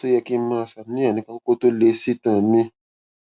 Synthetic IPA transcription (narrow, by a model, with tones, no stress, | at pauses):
to˦jɛ˧ki˦mã˦˧˨sa˨˦nĩ˦a˦˨nĩ˨˦kã˧ko˦ko˦to˦le˧si˦tã˨˦mĩ˦